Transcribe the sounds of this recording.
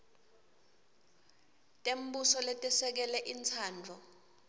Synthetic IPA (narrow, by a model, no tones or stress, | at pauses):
tʼembusɔletʼɛsɛk̬ɛlɛʔint͡sʰaːnd͡ɮʱɔ